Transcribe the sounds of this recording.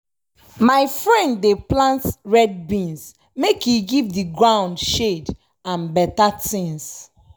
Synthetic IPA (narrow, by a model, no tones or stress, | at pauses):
maɪfɹɛ̃ndːeplãntɹɛd̚bĩns | mekʰjuɡivdiɡɹãʊ̃ndʃed | ãnbɛtatĩns